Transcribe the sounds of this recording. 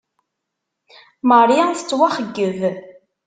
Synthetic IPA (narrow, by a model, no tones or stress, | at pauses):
məɾˤjæθə̥t͡sːwaχəɡːəv